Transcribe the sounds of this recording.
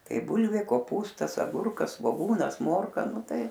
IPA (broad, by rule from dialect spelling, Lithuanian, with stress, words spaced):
ˈtɐɪ ˈbuːlʲʋʲeː koːˈpuːstɐs ɐˈɡʊrkɐs sʋoːˈɡuːnɐs ˈmoːrkɐ ˈnʊ ˈtɐɪ